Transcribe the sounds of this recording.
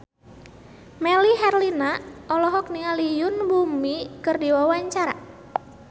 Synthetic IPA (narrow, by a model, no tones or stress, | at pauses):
mɛliɦɛrlinaʔɔlɔɦɔk̚niŋalijʊnbumikɨrdiwawaɲt͡ʃaɾa̰